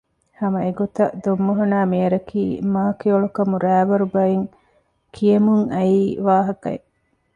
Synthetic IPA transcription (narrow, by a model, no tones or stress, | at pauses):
hɐmɐeɡot̪ɐd̪omːoɦunaːmiɐɾɐkʰiːmaːkeoɭukɐmuɾæːʋɐɾubɐjeŋ | kʰijɐmuŋɐiːʋaːɦɐkɐ̰e